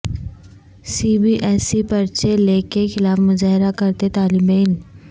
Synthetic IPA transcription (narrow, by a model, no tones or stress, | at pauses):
siːbiʔɛːsipɐɾt͡ʃeleːkexɪlaːfmʊzaːɦɪɾakɐɾt̪et̪aːlɪmeːn